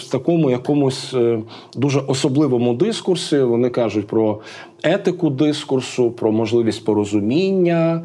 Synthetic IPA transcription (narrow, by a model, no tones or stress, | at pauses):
t̪ɐkɔmʊjɐkɔmʊsʲ | d̪uʒɛʔɔsɔblˠɪʋɔmʊd̪ɪskʊrsʲiʋɔnɪkɑʒʊtʲpɾɔ | ɛt̪ɪkʊd̪ɪskʊrsʊpɾɔmɔʒlˠɪʋʲisʲtʲpɔɾɔzʊmʲinʲːɐ